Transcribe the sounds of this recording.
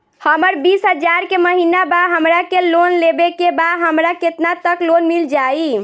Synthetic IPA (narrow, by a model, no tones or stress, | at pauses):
həməɾbisɦəd͡ʒaɾkeməɦinabaɦəmɾakelonlebekebaɦəmɾaket̪nat̪əklonmild͡ʒai